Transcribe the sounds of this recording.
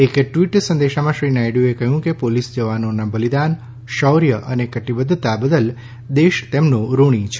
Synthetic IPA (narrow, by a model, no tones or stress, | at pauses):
ekʈʋiʈsə̃nd̪eʃamãʃɾinajɖjuekəɦjũkepolisd͡ʒəʋanonabəlid̪an | ʃɔwɾjəʔənekəʈibəd̪ʱt̪abəd̪əl | d̪eʃt̪emnõɾoɽ̃ĩt͡ʃʰe